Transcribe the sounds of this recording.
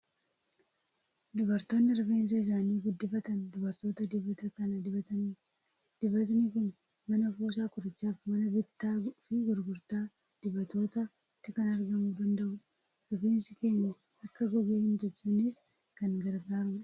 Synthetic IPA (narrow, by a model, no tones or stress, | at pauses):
d̪ʊbɐɾt̪o̞ːnːɪɾɔfe̞ːns̬ɐɪs̬aːniːɡʊd̪ːɪbɐt̪ɐnd̪ʊbɐɾt̪o̞ːt̪ɐd̪ɪbɐt̪ɐkɐnɐd̪ɪbɐt̪ɐniː | d̪̥ɪbɐt̪̬nɪkʊn | mɐnɐfuːs̬aːkʊɾɪt͡ʃːaːfmɐnɐbɪt̪ːaːfɪɡʊɾɡʊɾt̪aː | d̪̥ɪbɐt̪o̞ːt̪ɐ | ɪt̪ːɪkɐnɐɾɡɐmuːd̪ɐnd̪ɐʔʊ | ɾɔfe̞ːnsɪke̞ːɲːɐ | ɐkːɐɡɔɡeːhɪnd͡ʒɛt͡ʃːɪbneːf | kɐŋɡɐɾɡaːɾʊᶑɐ̥